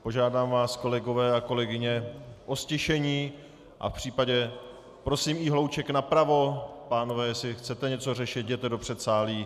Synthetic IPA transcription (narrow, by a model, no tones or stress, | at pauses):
po̞ʒaːdaːmvaːsko̞lɛɡo̞vɛːako̞lɛɡɪɲɛʔo̞scɛʃɛɲiː | ʔa̰fpr̝̥iːpaɟɛ | pɾo̞siːmɪɦlo̞wt͡ʃɛknapɾavo̞paːnovɛːjɛsɪxt͡sɛt̪ɛɲɛt͡so̞rɛʃɪt̪̚ɟɛt̪ɛdo̞pr̥ɛt̪saːliː